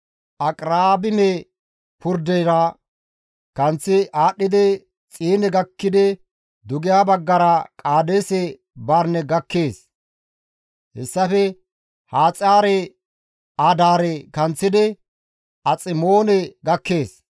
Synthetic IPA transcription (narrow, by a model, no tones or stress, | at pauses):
ʔɐkʼɾaːbɪnɛ | pʊɾd̪ɛjɾɐ | kɐnt͡sːɪʔaːɗːɪd̪ɛ | t͡sʼiːnɛɡɐkːɪd̪ɛ | d̪ʊɡɪjaːbɐɡːɐɾɐkʼaːd̪eːsɛ | baɾnɛɡɐkːeːs | hɛsːɐfɛ | haːt͡sʼaːɾɛ | aːd̪aːɾɛkɐnt͡sːɪd̪ɛ | ɐt͡sʼɪmo̞ːnɛɡɐkːe̞ːs